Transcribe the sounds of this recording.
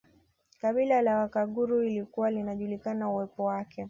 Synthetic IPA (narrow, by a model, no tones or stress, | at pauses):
kaɓilalawakaɠuɾuilikuwalinaʄulikanauwɛpɔwakʰɛ